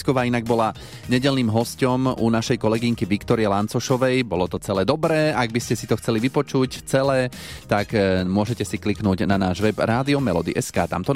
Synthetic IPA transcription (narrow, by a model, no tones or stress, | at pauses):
skɔʋaːinaɡ̚bɔla | ɲɛɟɛlniːmɦɔscɔmunaʃɛjkɔlɛɡiŋkiʋikt̪ɔɾiɛlant͡sɔʃɔʋɛjbɔlɔt̪ɔt͡sɛlɛːd̪ɔbɾɛːaɡ̚biscɛsit̪ɔxt͡sɛliʋipɔt͡ʃuct͡sɛlɛː | t̪akmʊɔʒɛcɛsikliknuːɟnanaːʒʋɛbɾaːd̪iɔmɛlɔ̰d̪ḭʔɛskaːt̪a̰mt̪ɔ